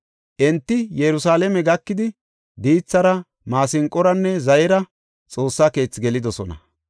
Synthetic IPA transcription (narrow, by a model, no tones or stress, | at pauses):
ʔɛnt̪ːɪjɛɾʊsaːlɛmɛɡɐkːɪd̪ɪ | d̪iːt͡sːɐɾɐ | maːsɪŋkʼːɔɾɐnːɛzɐjɛɾɐ | t͡sʼo̞ːsːaːke̞ːt͡sːɡɛlɪd̪ɔsɔnɐ̰